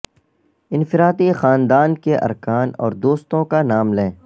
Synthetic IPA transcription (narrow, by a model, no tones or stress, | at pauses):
ɪ̃nfɪɾaːt̪ixaːnd̪aːnkeʔɐ̰ɾkaːnɔ̰ːɾd̪oːst̪õkanaːmlɛ̃ː